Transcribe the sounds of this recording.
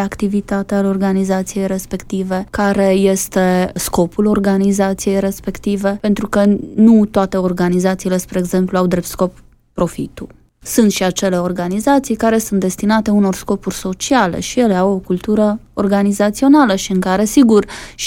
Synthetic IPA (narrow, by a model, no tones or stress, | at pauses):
akt̪ivit̪at̪ealeo̞rɡanizat̪sije̞jɾe̞spe̞kt̪ive̞kaɾe̞je̞st̪e̞sko̞pulo̞rɡanizat̪sije̞jɾe̞spe̞kt̪ive̞pe̞nt̪ɾukənut̪oat̪e̞o̞rɡanizat̪siːle̞spɾeːɡze̞mpluawd̪ɾe̞p̚t̪sko̞pː | ɾo̞fḭt̪u | sunt̪ʃiat͡ʃe̞le̞o̞rɡanizat̪sijkaɾe̞sunt̪̚d̪est̪inat̪e̞uno̞rsko̞purʲso̞t͡ʃiale̞̰ʃije̞leawo̞kult̪uɾə | orɡanizat̪sio̞naləʃiɨŋkaɾe̞siɡurʃ